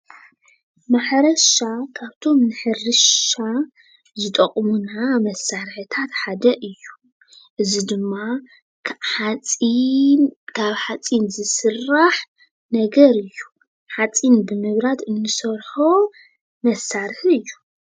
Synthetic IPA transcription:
maħɾɐʃakʰaβt̪ʰo̞mnɨħɨrɨʃa | zɨt̪ʼɐkʼmunamɐsːaɾħɨt̪ʰat̪ħad̪ɐʔɨjːu | ʔɨzid̪ɨmːa | kʰaβħat͡sʼinzɨsɨrːaħ | nɐɡɐɾɨjːu | ħat͡sʼinbɨmɨβɾat̪ɨnːɨsɐɾħo | mɐsːaɾħiɨjːu

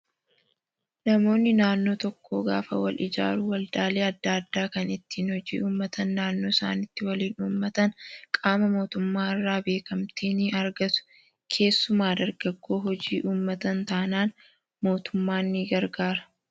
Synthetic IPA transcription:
nɐmo̞ːnːɪnaːnːo̞ːt̪ɔkːo̞̰ːɡa̰ːfɐ̰wɐ̰lʔɪ̰d͡ʒa̰ːɾʊwɐld̪aːleːɐd̪ːaːɐd̪ːaːkɐnɪt̪ːiːnhɔd͡ʒḭːʔuːmːɐt̪ɐnːaːnːo̞ːɪsa̰ːnɪt̪ːɪwɐliːnuːmːɐt̪ɐnkʼaːmɐmo̞ːt̪ʊmːaːɪrːaːbe̞ːkɐmt̪iːnɪɐɾɡɐsʊ̥ | kʰe̞ːsːʊmaːd̪ɐɾɡɐɡːo̞ːɦɔd͡ʒiːʔuːmːɐt̪ɐnt̪aːnaːn | mo̞ːt̪ʊmːaːnːiːɡɐɾɡaːɾɐ̥

